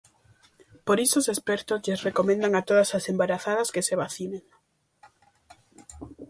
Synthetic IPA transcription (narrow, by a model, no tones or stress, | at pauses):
poɾisosespɛɾt̪ozʎesrekomẽnd̪aŋat̪oð̞asasembaɾaθaðaskeseβ̞aθineŋ